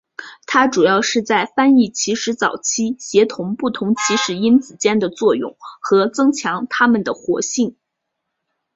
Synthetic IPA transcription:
t̪ʰa˥ʈ͡ʂu˨˩jɑ˥˧ʊʂɻ̩˥˧t͡sa˥˩ɪfa˥ni˥˩t͡ɕʰi˧˥ʂɻ̩˧˥t͡sɑ˨˩ʊt͡ɕʰi˥ɕjɛ˧˥t̪ʰʊ˧˥ŋpu˥˩t̪ʰʊ˧˥ŋt͡ɕʰi˧˥ʂɻ̩˨˩i˥nt͡sɹ̩˨˩t͡ɕjɛ˥˩nd̪ə˨t͡swɔ˥˧jʊ̰˥˩ŋxɤ˧˥t͡sɤ˥ŋt͡ɕʰjɑ˧˥ŋt̪ʰa˥mə˨nd̪ə˩xwɔ̰˧˥ɕi˥˩ŋ

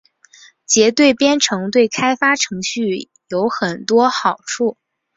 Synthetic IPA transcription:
t͡ɕjɛ˧˥t̪we˥˩ɪpjɛ˥nʈ͡ʂʰɤ˧˥ŋt̪̬we˥˩ɪkʰa˥ɪfa˥ʈ͡ʂʰɤ˧˥ŋɕy˥˩ | jo˧˥ʊxə˨˩nt̪wɔ˥xɑ˨˩ʊʈ͡ʂʰu˥˩

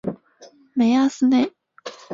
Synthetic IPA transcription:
me˨jasɨ˧ne˨

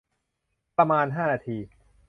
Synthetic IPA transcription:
pɾa˧maː˧nɦaː˥˩naː˧t̪ʰiː˧

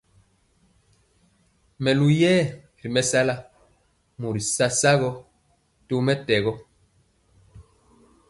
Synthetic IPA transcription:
mɛ˨lu˨jɛː˦ | ɾi˨mɛ˦sa˦la˦ | mu˨ɾi˨sa˦sa˦ɣɔ˦ | to˦mɛ˦tɛ˨ɣɔ˦

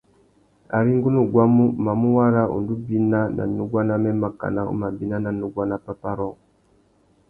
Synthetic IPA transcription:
a̰˨ɾi˦ŋɡu˦nu˨ɡwa˦mu˦ma˨mu˦wa˦ɾa˦ṵ˨ndu˦bi˦na˦na̰˨nu˦ɡwa˦na˦mɛ˦ma˨ka̰˨na˦ṵ˦ma˨bi˦na˦na˨nu˨ɡwa˦na˦pa˦pa˦ɾɔ˦˨

